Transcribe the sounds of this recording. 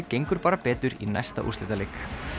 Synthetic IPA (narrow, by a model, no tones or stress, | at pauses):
cejŋkʏɾpaːɾapɛːt̪ʏɾinɛ̰jst̪a̰ʔṵrst̪ɪ̰ːt̪aleːk